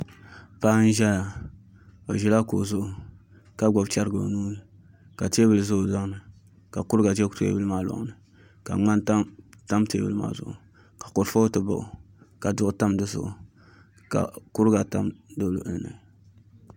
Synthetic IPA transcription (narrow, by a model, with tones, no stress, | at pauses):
pa˦n̩˦ʒɛ˦ja˨ | o˨ʒɛ˨la˦ko̰˨zʊ˦ʔʊ˨ | ka˦ɡ͡bɔ˨bt͡ʃa˦ɾɡɨ˨o̰˨nuː˦nɨ˨ | ka˨te˦bɨ˨lɨ˨zʊ˦ʔʊ˨za˦ŋ˦nɨ˨ | ka˨kʊ˦ɾɨ˦ɡa˨d͡ʒɛ˦kto̰˦bɨ˦lɨ˦maː˨lɔ̰˨ʔnɨ˨ | ka̰˨ŋ͡ma˦nta˦ta˦mtḛ˦bɨ̰˦ɨ˦ma̰ː˦zʊ̰˨ʔʊ̰˨ | kḁ˨ko˨ɾfo˦tɨ˨ba̰˦ʔʊ˨ | ka˨dʊ˦˨ʔʊ˨ta˦mdɨ˦zʊ̰˨ʔʊ̰˨ | ka̰˨kʊ˦ɾɡa˨ta̰˦mdo˦lʊ˨ʔɨ˨lnɨ̰˨